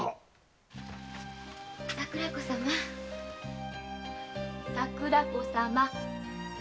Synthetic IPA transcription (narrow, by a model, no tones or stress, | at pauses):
t̪akɯ̟ɾakosama | takɯ̟ɾakosama